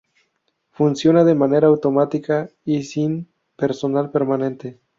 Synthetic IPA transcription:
funsjo̞naðe̞mane̞ɾaːwt̪o̞mat̪ikaisim | pe̞ɾso̞nalpe̞ɾmanẽ̞nt̪e̞

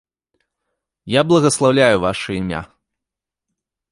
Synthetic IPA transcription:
jablˠɐɣɐslˠawlʲajuvaʂɨimʲa̰

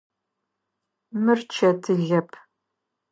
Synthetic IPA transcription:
mɨrt͡ʃʰɐtʰɨɮɐpʰ

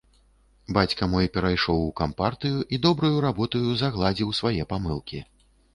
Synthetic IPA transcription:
bat͡sʲkɐmɔjpʲɛɾajʂɔwukampart̪ɨjuʔid̪ɔbɾujuɾabɔt̪ɐjuzɐɣlˠad͡zʲiwsvajɛpamɨlˠkʲi

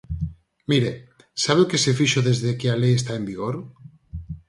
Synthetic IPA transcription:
miɾe | saβekesefiʃoðezðekealejes̬t̪aembiɣ̞oɾ

